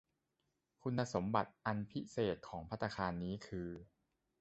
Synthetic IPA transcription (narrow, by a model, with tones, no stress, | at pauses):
kʰu˧nːaː˧so˩˦mba˨˩t̪̚ʔa˧npʰi˦˥seː˨˩t̪̚kʰɔː˩˦ŋpʰa˦˥t̪ʰːa˧kʰaː˧nːiː˦˥kʰɯː˧